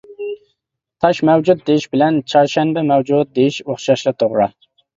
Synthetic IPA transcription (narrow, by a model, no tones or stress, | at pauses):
t̪ʰɑʃmɛwd͡ʒut̪̚d̪eiʃbɪlɛnt͡ʃʰɑɾʃɛnbɛmɛwd͡ʒut̪̚d̪ejiʃoχʃɑʃlˠɨt̪ʰoʁɾɑ̰